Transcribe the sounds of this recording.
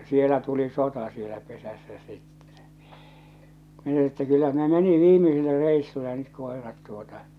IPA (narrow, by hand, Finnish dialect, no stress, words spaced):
sielæ tuli sotɑ sielæ pesæsːæ sitːe̥ min etːæ kylːæ ne meni ʋiːmisilːe reisːulːe nyt koˑerɑt tuotɑ